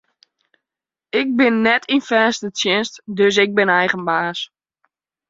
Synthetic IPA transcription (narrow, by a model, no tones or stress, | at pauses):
ɪk̚bɪnːɛtʰinfɛːstətjɪnstdøs̬ɪɡ̚bɪnɛjχənbaːs